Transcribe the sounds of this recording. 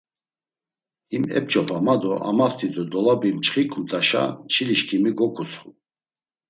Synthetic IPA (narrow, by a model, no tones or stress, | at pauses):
imɛ̰p̚t͡ʃʼɔpʰamad̪ɔʔa̰maft̪ʰid̪ɔd̪ɔlabimt͡ʃχikʰʼut̪ʼaʃa̰t͡ʃʰiliʃkʰimiɡɔkʰut͡sʰʼχu